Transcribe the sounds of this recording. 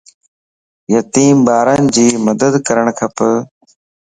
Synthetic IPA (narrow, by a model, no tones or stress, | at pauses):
jət̪iːmbaːɾənɪ̆d͡ʑiːməd̪əd̪kəɾəɳ̃kʰəpə